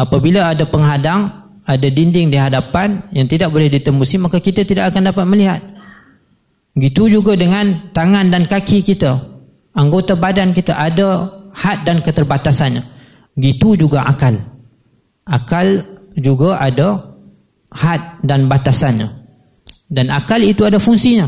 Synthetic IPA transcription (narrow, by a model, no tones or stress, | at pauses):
apabilaadapəŋɦadaŋ | adadindɪŋdiɦadapanjaŋt̪idak̚bolɛhdit̪əmusimakakit̪at̪idakakandapat̪̚məliɦat̪̚ | ɡit̪ud͡ʒuɡadəŋãnt̪aŋãndankakikit̪a | aŋɡot̪abadankit̪aʔadahat̪̚dankət̪ərbat̪asanɲa | ɡit̪ud͡ʒuɡaʔakal | ʔakald͡ʒuɡaʔada | hat̪̚danbat̪asanɲa̰ | danakalit̪uadafuŋsiɲa